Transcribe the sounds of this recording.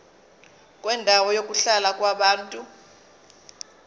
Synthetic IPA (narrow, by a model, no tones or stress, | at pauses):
k̬ʼwɛndʱawɔjok̬ʼuɬalak̬ʼwaɓaːntʼu